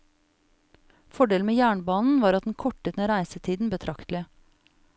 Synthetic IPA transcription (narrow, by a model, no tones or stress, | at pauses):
fɔɖeːln̩meːjæːɳbɑːnn̩ʋɑːɾɑt̪̚d̪n̩kʰɔʈət̪neːɾæɪsət̪ʰiːd̪n̩bət̪ʰɾɑkt̪lɪə